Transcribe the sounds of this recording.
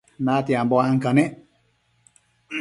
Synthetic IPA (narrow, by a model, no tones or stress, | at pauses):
natiambɔaŋ̩kanɛ